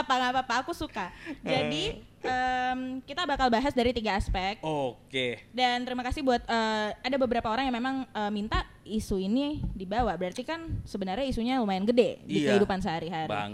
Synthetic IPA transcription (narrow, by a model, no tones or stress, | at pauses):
apaŋapapaːkusukad͡ʒadi | ʔəmkit̪abakalbaɦasdaɾit̪iɡaːspɛk̪̚okedant̪əɾimakasɪhbuat̪̚əːadabəbəɾapaoɾaŋjaŋmemaŋəːmint̪a | isuinidibawabəɾart̪ikansəbənarɲaisuɲalumaɪnɡədedikəɦidupans̬əɦaɾiɦaɾḭ